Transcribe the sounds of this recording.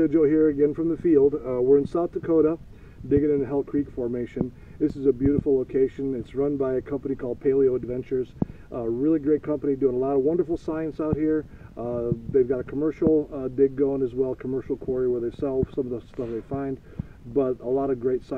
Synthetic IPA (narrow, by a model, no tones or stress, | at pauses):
ɨd͡ʒoʊhiɹɨɡɛ̃nfɹʌ̃mðɨfilˠd̚wɪɹɨ̃nsaʊt̪ʰɨkʰoʊɾə | dɪɡɨ̃nɨ̃nɨɦɛlˠkʰɹ̥ikfɔɹmeɪʃɨ̃n | ðɪsɨzɨbjʉɾɨfl̩ˠloʊkʰeɪʃɨ̃nɪtsɹʌ̃nbaɪɨkʰʌ̃mpənikʰɔlˠd̚pʰeɪlˠioʊɨdvɛ̃nt͡ʃə˞z | ɹɪlˠiɡɹeɪt̚kʰʌ̃mpənidʉɪ̃ŋəlɔɾʌvwʌ̃ndə˞fl̩ˠsaɪɨ̃nsaʊt̚hiɹ | ðeɪvɡɑɾɨkʰəmɜ˞ʃl̩ˠdɪɡ̚ɡoʊɪ̃ŋɨzwɛlˠkʰəmɜ˞ʃl̩ˠkʰw̥ɔɹiɨwə˞ðeɪsɛlˠfsʌ̃mʌvðəstʌfðeɪfãɪ̃nd | bʌɾəlɔɾʌɡɹeɪtsa